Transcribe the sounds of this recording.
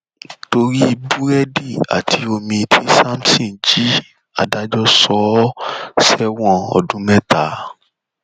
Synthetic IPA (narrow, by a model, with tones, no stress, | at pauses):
to˧ɾi˦˧bu˦ɾɛ˦di˦˨a̰˨tʰi˨˦o˧mĩ˧tʰi˦sa˦msĩ˦˨d͡ʒi˦ | a̰˨da˦d͡ʒɔ˦sɔ˨˦sɛ˦wɔ̃˦˨ɔ̰˨dũ˨˦mɛ̃˦ta˨˦